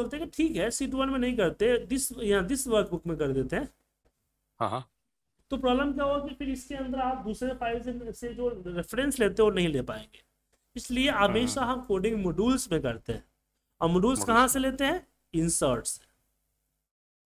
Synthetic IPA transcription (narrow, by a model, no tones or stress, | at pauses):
ɐk̚t̪eɦɛkiʈʰiːkɦɛsiːʈiʋənmẽnɐɦĩk̬ɐɾt̪eɛd̪ɪsjɐɦãd̪ɪsʋɐt̪bʊkmẽkɐɾd̪eːt̪eɦɛ̃ː | ɦã̰ɦ | t̪opɾɔːbləmkjaɦokifʰɪɾɪskeɐ̃nd̪əɾaːp̚d̪uːsɾepaːɪlsesed͡ʒoːɾɪfɾɛ̃nsleːt̪eɦɛ̃ʋonɐɦĩleːpaːḛ̃ŋɡeː | ɪslieɦɐmeːʃaɦɐmkoːɖɪ̃ŋɡmoːɖuːlsmẽkɐɾt̪eɦɛ̃ː | ɔːɾmoːɖuːlsskɐɦãseleːt̪eɦɛ̃ː | ɪnsəːɾʈsẽ̥